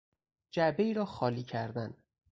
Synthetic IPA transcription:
d͡ʒæbe̞iːɾɒːxɒːliːcʰæɾd̪æn

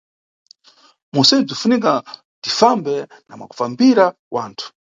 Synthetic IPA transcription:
musɛb͡ʐifunik̬a | tifambɛna̰mwa̰ku̥fambiɾa | wʔaːntʰu̥

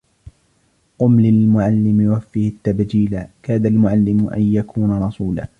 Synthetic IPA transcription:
qʊmlɪlmʊʕalːɪmɪwafːiːhɪt̪ːabd͡ʒiːlakaːd̪almʊʕalːɪmʔa̰njakʰuːnaɾˤɑsuːla̰ː

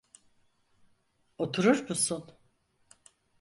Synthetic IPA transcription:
ot̪ʰuɾuɾmusun

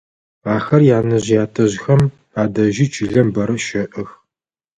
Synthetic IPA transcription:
aːxɐrjaːnɐʑjaːtʰɐʑxɐm | aːdɐʒiːt͡ʃʰʼiːɮɐmbɐɾɐʃɐʔɨx

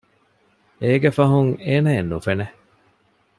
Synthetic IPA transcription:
eːɡefɐɦuŋeːnɐenːufene

